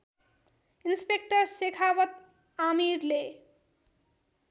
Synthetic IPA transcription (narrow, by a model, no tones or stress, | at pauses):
inspek̚ʈʌɾsekʰawʌt̪ | amiɾle